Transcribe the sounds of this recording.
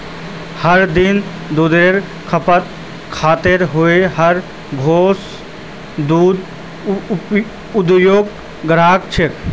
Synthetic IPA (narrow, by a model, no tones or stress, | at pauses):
həɾd̪ɪn | d̪ud̪eɾ | kʰəpət̪ | kʰaːt̪ɪɾɦʊeɦəɾ | ɡʱoːs | d̪uːd̪ | ʊd̪joːɡ | ɡəɾaːk̚t͡ʃʰɪk